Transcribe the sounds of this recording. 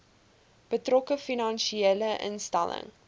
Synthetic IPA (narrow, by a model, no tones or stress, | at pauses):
b̥ətrɔkəfinɑnʃieləʔə̰nstæ̰lə̰ŋ